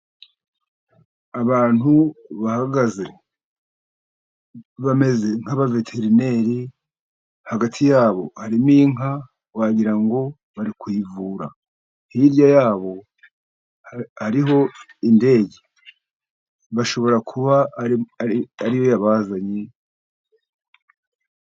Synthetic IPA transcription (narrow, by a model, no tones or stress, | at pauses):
aβaːn̥huβahaɡaze̞ | βame̞ze̞ŋ̥aβave̞tʰe̞ɾine̞ɾi | haɡatʰijaːβo̞haɾimiːŋɦa | waɟiɾaŋɡo̞ | βaɾikwiːvuːɾa | hiɾjajaːβo̞ | haɾiɦo̞ | inde̞ːɟe̥ | βaʃo̞βo̞ɾakʰuβa | aɾijo̞jaβazaɲe